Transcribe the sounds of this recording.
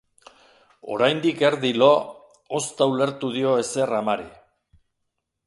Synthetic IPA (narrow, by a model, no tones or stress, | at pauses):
o̞̰ɾajnd̪ike̞ɾðilo̞ | ost̪aule̞ɾt̪uðio̞e̞se̞ramaɾi